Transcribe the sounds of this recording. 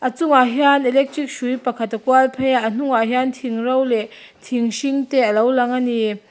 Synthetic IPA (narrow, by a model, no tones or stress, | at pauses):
ʔɐt͡suŋaɦjanɛlɛk̚trik̚ʃujpakʰat̪ːakualpʰɛjaʔn̥uŋaɦjant̪ʰiŋrowlɛʔ | t̪ʰiŋʃiŋt̪ɛəlowlaŋani